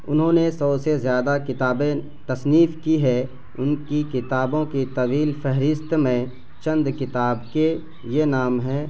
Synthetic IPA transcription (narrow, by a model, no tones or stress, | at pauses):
ʊnɦõnesəbsezjaːd̪akɪt̪aːbẽ | t̪ɐsniːfkiɦɛ | ʊnkikɪt̪aːbõkit̪ɐʋiːlfʰɛɦɾɪst̪mẽ | t͡ʃə̃nd̪kɪt̪aːbke | jenaːmɦɛː